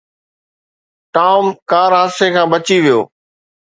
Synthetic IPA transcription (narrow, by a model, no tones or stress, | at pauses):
ʈaːʊmkaːɾɦasekʰãːbət͡ɕiʋijo̰ː